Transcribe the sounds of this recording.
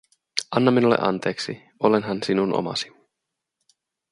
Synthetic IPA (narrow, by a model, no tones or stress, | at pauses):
ʔɑnːɑmːinulːḛʔɑ̰nt̪e̞ːksi | o̞lenɦɑnsinunʔo̰mɑ̰si̥